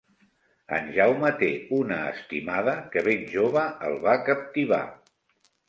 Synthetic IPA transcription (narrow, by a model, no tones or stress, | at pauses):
ə̰nʒawmət̪eunə̰ːst̪imaðəkəβenʲʒoβəəlˠβakəp̚t̪iβa̰